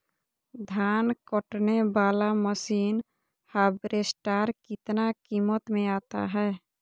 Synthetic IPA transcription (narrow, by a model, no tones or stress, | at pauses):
d̪ʱaːnkəʈnebaːlaməsiːn | haːbɾesʈaːɾkɪt̪nakiːmət̪mẽaːt̪a̰ɦɛː